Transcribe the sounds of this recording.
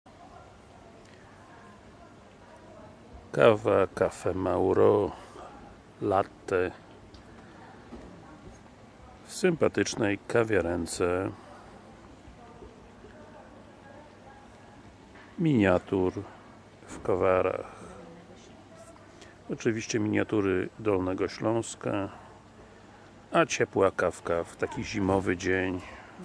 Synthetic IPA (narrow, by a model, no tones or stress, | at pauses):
kavakafɛmawɾɔ | lat̪ːɛ | fsɨmpat̪ɘt͡ʂnɛjkavʲjɛɾɛnt̪sɛ | mʲiɲat̪uɾ | fkɔvaɾa̰x | ɔt͡ʂɘvʲiɕt͡ɕɛmʲiɲat̪uɾɘd̪ɔlnɛɡɔɕlɔ̃w̃ska | at͡ɕɛpwakafkaft̪akʲiʑimɔvɘd͡ʑeɲ